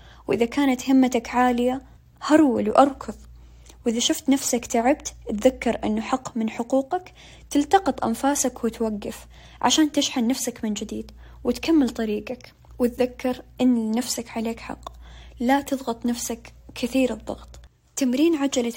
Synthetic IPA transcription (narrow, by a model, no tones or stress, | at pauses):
wʔɪðakaːnat̪hɪmːat̪akʕaːlɪja | hɑɾˤwɪlwʔɑɾˤkʰʊðˤ | wʔɪðaʃʊft̪nafsakt̪aʕɪbt̪t̪ðakːɑɾˤʔɪ̰nːʊħɑqːmɪnħʊquːqak | t̪ɪlt̪ɑqɑt̪ˤʔa̰nfaːsakwɪt̪waɡːɪf | ʕa̰ʃaːnt̪ɪʃħannafsakmɪnd͡ʒɪd̪iːd̪ | wɪt̪kamːɪlt̪ˤɑɾiːɡak | wɪt̪ðakːɑɾˤʔɪnːafsakʕaleːkħɑ̰qːlat̪ɨðˤɣɑt̪ˤnafsakkʰːɪθiːɾɨðˤːɑ̰ɣt̪ˤ | t̪amɾiːnʕad͡ʒala